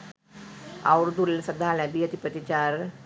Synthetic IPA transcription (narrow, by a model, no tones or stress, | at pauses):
a̰wɾd̪ulsəd̪ʱaːlãd̪iɐt̪ipət̪it͡ɕaɾ